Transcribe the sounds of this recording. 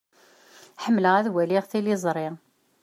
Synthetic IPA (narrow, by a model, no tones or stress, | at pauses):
ħəmːləʁæðwæliʁθilizˤɾˤɪ